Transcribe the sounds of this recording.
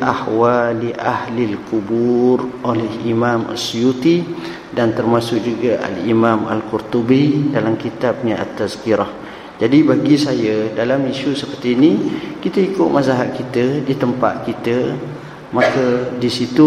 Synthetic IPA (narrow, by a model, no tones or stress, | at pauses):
ahwaliʔahlilkuburolɛhimamə̰sjut̪i | dant̪ərmasʊk̚d͡ʒuɡaʔa̰limama̰lkurt̪ubidalamkit̪ab̚naʔa̰t̪ːazkiɾah | d͡ʒadibaɡisajədalamiʃusəpərt̪iːnikit̪əikʊt̪̚mazaɦaʔ̪̚kit̪ədit̪əmpa̰t̪̚kit̪ə | makədisit̪u